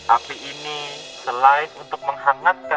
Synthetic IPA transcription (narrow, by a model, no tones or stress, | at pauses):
ʔapiʔːnisəlaɪnunt̪ʊk̚məŋɦaŋat̪̚ka